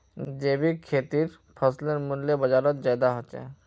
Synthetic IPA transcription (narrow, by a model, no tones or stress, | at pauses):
d͡ʒeːbʱikʰeːt̪iːɾ | pʰəslənmʊljebəd͡ʒaːɾət̪̚zaːd̪aɦot͡ʃɛ̰